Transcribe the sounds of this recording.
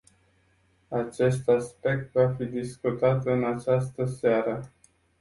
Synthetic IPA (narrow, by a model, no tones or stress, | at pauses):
at͡ʃe̞st̪aspe̞k̚t̪vafid̪iskut̪at̪ɨnat͡ʃast̪əseaɾə